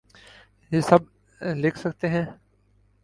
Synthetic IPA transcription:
jeːsɐb̚ | lɪkʰsɐkt̪eɦɛ̃ː

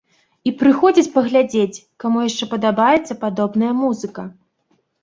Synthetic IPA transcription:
ipɾɨxɔd͡zʲit͡sʲpɐɣlʲad͡zʲet͡sʲkamujaʂt͡ʂɛpɐd̪abajɛt̪sːɐpad̪ɔbnɐjɐmuzɨkɐ

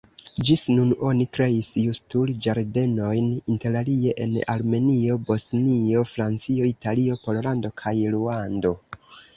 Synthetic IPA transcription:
d͡ʒisnuno̞nikɾe̞isjustuld͡ʒaɾde̞no̞jninte̞ɾalie̞ʔena̰lme̞nio̞bo̞snio̞fɾant͡sio̞italio̞po̞llando̞kʰajluando̞

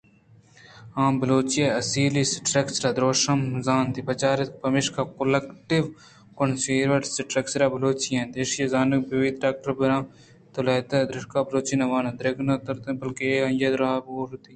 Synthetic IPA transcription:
ãːmbɐloːt͡ʃijeɐsiːlisʈɾeksɾad̪ɾoːʃɐmzaːnt̪ipɐt͡ʃaːɾɪt̪k̚pɐmɪʃkakolekʈɪʋ | konsiːɾʋɐʈsʈɾɐksɾabɐloːt͡ʃijɐ̃ːd̪eʃjɐzaːnɐkbiʋid̪ɖaːk̚ʈɐɾbɐɾãː | t̪olɐːt̪ad̪ɾɪʃkaːbɐloːt͡ʃinɐʋaːnãd̪ɾeɡnɐt̪ɐɾt̪bɐlkeɐ̃jɐd̪ɾaːboːɾt̪iː

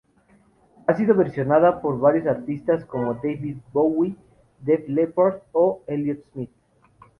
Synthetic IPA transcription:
asiðo̞βe̞ɾsjo̞naðapo̞ɾβaɾjo̞saɾt̪ist̪asko̞mo̞d̪ejβið̚bowi | d̪eflepoɾt̪oeljot̪smit̪̚

